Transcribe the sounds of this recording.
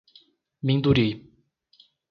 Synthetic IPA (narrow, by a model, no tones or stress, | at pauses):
mĩnd̪uɾi